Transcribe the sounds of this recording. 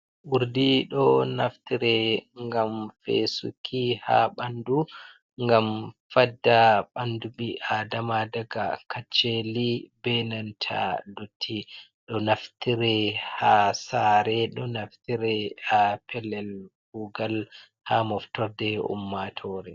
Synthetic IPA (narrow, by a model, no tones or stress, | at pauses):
ʔuɾdiɗɔnaftiɾɛŋɡamfḛsṵkʰiha̰ɓandu | ŋɡamfadːaɓanduɓiʔadamadaɡakat͡ʃːɛlibɛnantʰa̰lotʰːi | ɗɔnaftiɾɛhasaɾɛɗɔnaftiɾɛapʰɛlɛlɡuɡal | hamɔftɔɾdɛṵmːatʰɔɾɛ